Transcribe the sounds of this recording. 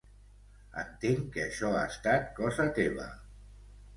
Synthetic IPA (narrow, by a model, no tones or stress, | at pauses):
ə̰nt̪eŋkeːʃɔaəst̪at̪̚kɔzət̪eβ̞ə̰